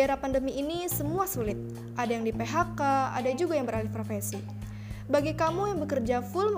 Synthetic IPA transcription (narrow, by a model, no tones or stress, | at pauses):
eɾapandəmiʔinisəmuasulɪt̪̚ | ʔadajaŋdipeɦakaa̰dad͡ʒuɡajaŋbəɾalihpɾofesi | baɡikamujaŋbəkərd͡ʒafʊlm